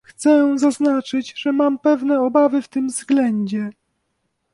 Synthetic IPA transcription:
xt̪sɛzaznat͡ʂɘd͡ʑʐɛmampɛvnɛɔbavɘft̪ɘmvzɡlɛɲd͡ʑɛ

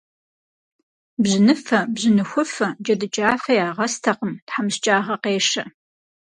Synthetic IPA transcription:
bʑɪnɨfɐbʑɪnɨxʷʊfɐd͡ʒɐdɨt͡ʃʼaːfɐjaːʁɐstʰɐqəmtħamst͡ʃʼaːʁɐqeːʃɐ

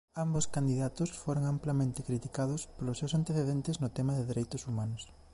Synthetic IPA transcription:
amboskand̪iðat̪ʊsfoɾoŋamplamẽnt̪ɪkɾit̪ikaðʊspolʊsːewsant̪eθeðent̪ɪznʊt̪ɛmɐðɪðeɾejt̪ʊsumanʊs

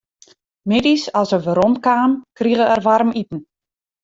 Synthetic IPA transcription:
mɪdisɔsəʋəɾɔntkaːmkriɣəɛrʋaɾəmitn̩

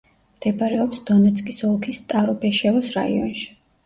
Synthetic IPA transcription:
md̪̥ɛbaɾɛɔpsd̪ɔnɛt̪sʰʼkʼisɔlˠkʰist̪ʼaɾɔpʰɛʃɛɔsɾa̰ḭɔ̰nʃi̥

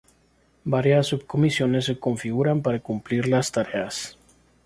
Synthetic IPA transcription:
baɾjasːub̚ko̞misjo̞ne̞s̬ːe̞ko̞ɱfiɣuɾampaɾakumpliɾlast̪aɾe̞as

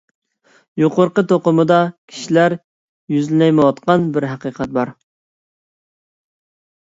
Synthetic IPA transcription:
joqʊɾqət̪ʰoqʊmɨd̪ɑkʲʰi̥ʃilæɾ | jyzlɪlɛjmɨwɑt̪qɑnbɪɾɦæqəqʰɛt̪̚bɑɾ

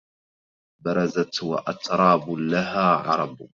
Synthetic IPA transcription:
bɑɾˤɑzat̪wa̰ʔat̪ɾˤɑːblaɦaːʕɑ̰ɾˤɑb

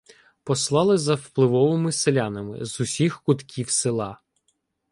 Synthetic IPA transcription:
pɔslˠɑlˠɪzɐwplˠɪʋɔʋɪmɪselʲanɐmɪ̰zʊsʲixkʊt̪kʲʰiwsɪlˠɑ

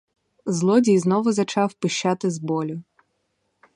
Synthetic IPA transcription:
zlˠɔdʲijznɔʋʊzɐt͡ʃɑwpɪʃt͡ʃɑt̪ɪzbɔlʲʊ

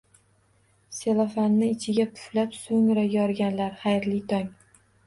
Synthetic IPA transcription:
selˠafanːɪɪt͡ʃʰɪɡʲapʰʊ̥flapsoŋɾajɒɾɡʲanlaɾχajɾlit̪ʰɒŋ

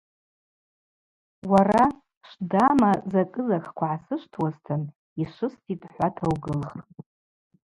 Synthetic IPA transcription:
wara | ʂdamazakʼɨzakʰkʷaʕasɨʂʷtʰwastʰan | iʂɨstʰʼitʼħʷatʰawɡɨlχʼ

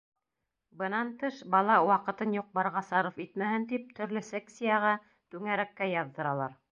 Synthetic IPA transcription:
bɤ̆nɑnt̪ɤʃbɑlˠɑwɑqɤ̆t̪ɤnjuq̚bɑɾʁɑsɑɾɤfit̪mæhɘnt̪ip̚t̪ɵ̆ɾlɵseksʲijɑʁɑ | t̪ʉŋæɾækːæjɑðːɤ̆ɾɑlˠɑɾ

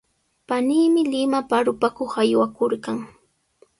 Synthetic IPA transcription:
paniːmɪlɪmapaɾʊpakoχajwakoɾkaŋ

